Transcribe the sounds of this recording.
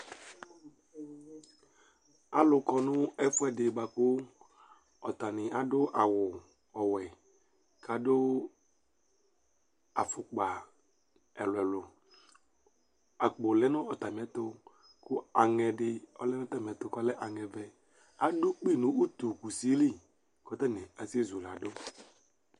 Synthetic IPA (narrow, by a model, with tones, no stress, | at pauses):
a̰˨lʊ˨kɔ˨nʊ̃˦ɛ˦fʊ˦ɛ˨dɪ˨ɡ͡ba˨kʊ˦ | ɔ˨t̪a˨nɪ˨a˨dʊ˦ʔa˨wʊ˨ | ɔ˨wɛ˨ | ka˨dʊ˦ | a̰˨fʊ˨k͡pa˨ | ɛ˨lʊ˨ɛ˨lʊ˨ | a˨k͡po˨lɛ˦nɔ̃˦ɔ˨t̪a˨m˨ɛ˨˦t̪o˦ | kʊ˦a˨ŋɛ˨ɖɪ˨ɔ˦lɛ˦nɔ̃˦t̪a˦m˨ɛ˨t̪o˨kɔ˦lɛ˦ʔa˨ŋɛ˨vɛ˨ | a˦dʊ˦k͡pi˦˨nũ˨˦u˦t̪u˨ku˨si˦li˦˨ | kɔ˦t̪ɛ˦nɪ̃˨a˨se˦zu˨la˨do˦